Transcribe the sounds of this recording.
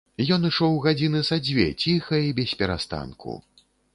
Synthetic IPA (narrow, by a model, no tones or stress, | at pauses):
jɔnɨʂɔwɣad͡zʲinɨzad͡zʲvʲɛ̰t͡sʲixɐibʲɛsʲpʲɛɾa̰st̪a̰nkʰṵ